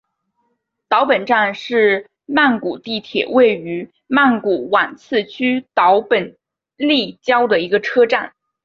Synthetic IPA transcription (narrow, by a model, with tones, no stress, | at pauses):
t̪ɑ˧˥ʊpə˨˩nʈ͡ʂa˥˧nʂɻ̩˥˩ | ma˥˩nku˨˩t̪i˥˩t̪ʰjɛ̰˨˩we˥˩ɪy˧˥ | ma˥˩nku˨˩wa˨˩nt͡sʰɹ̩˥˩t͡ɕʰy˥t̪ɑ˧˥ʊpə˨˩n | li˥˩t͡ɕjɑ˥ʊd̪ə˨i˧˥ɡə˧ʈ͡ʂʰɤ˥ʈ͡ʂa˥˩n